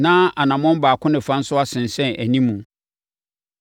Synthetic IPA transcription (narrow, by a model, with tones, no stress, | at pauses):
nãː˦a˨nã˨mɔ̃˦m˦baː˨kʰʊ̃˦nɪ̃˨fã˦n̩˦sʊ˦a˦sɪ̃˨n˨sɛ̃˦˨ʔæ˨nĩ˦mːũ˨